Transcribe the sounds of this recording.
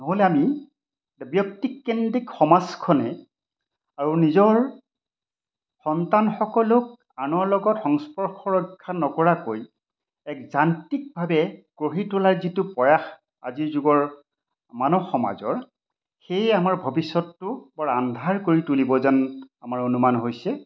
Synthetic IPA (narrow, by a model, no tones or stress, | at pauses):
nɔɦolɛami | bjɔk̚tikːendikxɔmaskʰɔnɛ | aɹunizɔɹ | xɔntanxɔkɔlʊk̚ | anɔɹlɔɡɔtxɔŋspɔɹxʰɔɹɔkʰːanɔkɔɹakoj | ɛkzantik̚bʱabɛɡ̥ɹoɦitʊlaɹzitupɔjax | a̰ziɹzʊɡɔɹ | manɔxɔma̰zɔ̰ɹ | xejamaɹbʱɔbisːɔtːʊbɔɹandʱaɹkoɹitulibɔzanamaɹonumanɦojsɛ